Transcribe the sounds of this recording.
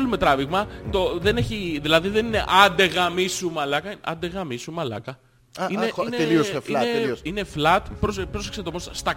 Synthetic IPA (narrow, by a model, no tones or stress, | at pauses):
lume̞t̪ɾɐviɣmɐt̪oðe̞ne̞çiðilɐðiðe̞nine̞̰ʔɐnd̪eɣɐmisumɐlɐkɐinʔɐ̰nd̪e̞ɣɐmisumɐlɐ̰kɐ | inenliosieine̞flɐt̪pɾospɾose̥kset̪omosɐst̪ɐ